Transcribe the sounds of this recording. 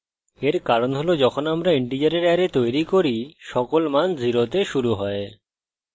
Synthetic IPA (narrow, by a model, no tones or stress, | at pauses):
eɾkaɾonɦolod͡ʑɔkʰonamɾaiɳʈid͡ʑaɾeɾɛɾet̪ojɾikoɾiʃɔkolmand͡ʑʱiɾot̪eʃuɾuɦɔe